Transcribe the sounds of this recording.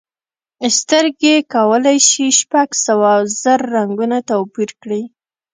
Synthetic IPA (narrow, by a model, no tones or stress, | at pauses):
st̪əɾɡekawəlajʃiʃpaɡsawazəɾːaŋɡunat̪awpiɾkɽi